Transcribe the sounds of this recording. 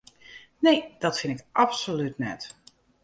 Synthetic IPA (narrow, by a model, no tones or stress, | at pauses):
nejd̥ɔtfɪnɪkʔapsolytnɛ̰t